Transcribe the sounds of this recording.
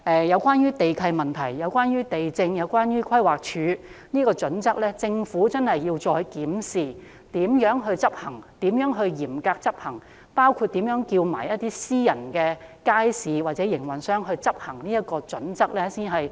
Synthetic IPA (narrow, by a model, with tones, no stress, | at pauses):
ʔɛː˧jɐ˨˧wkʷaː˥njyː˥t̪e˨jkʰɐ˧jmɐ˨nt̪ʰɐ˨˩jːɐ˨˧wkʷaː˥njyː˥t̪e˨jt͡sɪ˧ŋjɐ˨˧wkʷaː˥njyː˥kʰwɐ˥jwaː˨˩k̚t͡ʃʰyː˨˧˥niː˥kɔː˧t͡ʃɵ˨˥nt͡sɐ˥k̚lɛː˥t͡sɪ˧ŋfuː˨˥t͡sɐ˥nhɐ˨jːiː˧wt͡sɔː˧jkiː˨˥msiː˨˩ | t̪iː˨˥mjœː˨˥ŋɦɵ˧ɥt͡sɐ˥p̚hɐ˨˩ŋt̪iː˨˥mjœː˨˥ŋɦɵ˧ɥjiː˨˩mkaː˧k̚t͡sɐ˥p̚hɐ˨˩ŋ | paː˥wkʰuː˧t̚t̪iː˨˥mjœː˨˥ŋkiː˧wma̰ː˨˩jɐ˥t̪iː˥siː˥jɐ˨˩nkɛ˧kaː˥jsiː˨waː˨k̚t͡sɛː˨˥jɪ˨˩ŋwɐ˨˩nsœː˥ŋɦɵ˧ɥt͡sɐ˥p̚hɐ˨˩ŋniː˥ɐ˥t̚kɔː˧t͡sɵ˨˥nt͡sɐ˥k̚lɛː˥siː˥nɦɐ˨˩j